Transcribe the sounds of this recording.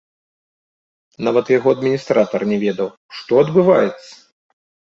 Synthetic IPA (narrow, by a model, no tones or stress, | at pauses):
navɐt̪jaɣɔɐd̪mʲinʲist̪ɾat̪ɐrnʲɛvʲɛd̪ɐw | ʂt̪ɔɐd̪bɨvajɛt̪sːɐ̥